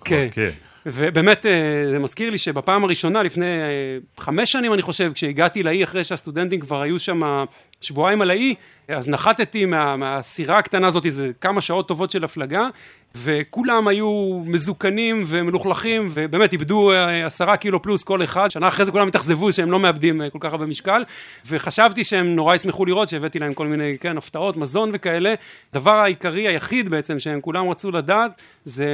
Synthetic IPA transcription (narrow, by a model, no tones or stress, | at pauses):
kʰene | vebe̞ːme̞t̪ezemaz̥kiʁliʃebapaːmaʁiʃo̞nalifne̞jχame̞ʃːanimaniχo̞ʃe̞vkʃeiɡat̪ilaiaχʁejʃeast̪ud̪e̞nt̪̬imkvaʁhajuʃama | ʃvuajimalai | aznaχat̪et̪imeameasiʁakt̪anaːzo̞t̪̬izekamaʃao̞t̪ːo̞vo̞tʃe̞laflaɡa | ve̞kulamajumezukanimve̞meluχlaχimvebeːme̞t̪ibd̪uasaʁakiloplusko̞leχad̪ʃanaːχʁejzekulamit̪aχze̞vuʃeemlo̞meabd̪imko̞lkaχabemiʃkal | ve̞χaʃavt̪iʃeemno̞ʁajismeχuliʁo̞t̪ʃeevet̪ilahe̞mko̞lminejkenaft̪ao̞t̪mazo̞nve̞kae̞le̞d̪avaʁaikaʁiajaχid̪beet͡se̞mʃeemkulamʁat͡sulad̪aːt̪ | ze